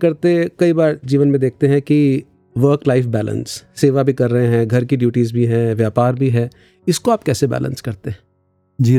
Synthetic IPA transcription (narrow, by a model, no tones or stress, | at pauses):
kɐɾt̪ekɐibaːɾd͡ʒiːʋənmẽd̪eːk̚ʰt̪eɦɛ̃ki | ʋəːɾklaːɪfbɛːlə̰̃nsːeːʋabʱikɐɾːɐɦẽɦɛ̃ɡʱɐɾkiɖjuːʈiːzbʱiɦɛ̃ʋjaːpaːɾbʱiɦɛ̃ː | ɪskoaːp̚kɛːsebɛ̰ːlə̰̃nskɐɾt̪eɦɛ̃ | d͡ʒiː